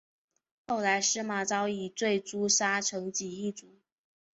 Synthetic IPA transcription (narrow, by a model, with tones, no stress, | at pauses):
xo˥˩ʊla˧˥ɪʂɻ̩˥ma˨˧˥t͡sɑ˥ʊi˨˩t͡swe˥˩ɪt͡su˥ʂa˥ʈ͡ʂʰɤ˧˥ŋt͡ɕi˨˩i˥˩t͡su˧˩˦